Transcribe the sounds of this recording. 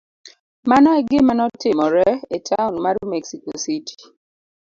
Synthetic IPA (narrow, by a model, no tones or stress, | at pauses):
manɔeɡɪmanɔtɪmɔɾɛetʰaʊnmaɾumɛksikositʰi̥